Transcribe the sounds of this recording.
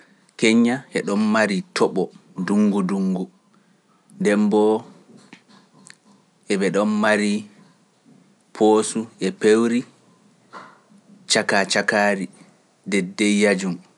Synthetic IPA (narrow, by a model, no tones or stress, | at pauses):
keɲːaʔɛɗɔnmaɾitʰɔɓɔduŋɡuduŋɡu | ndɛmbɔ | ʔɛbɛɗɔnmaɾi | pʰoːsuɛpewɾi | t͡ʃakat͡ʃakaːɾi | dɛdːɛjjad͡ʒum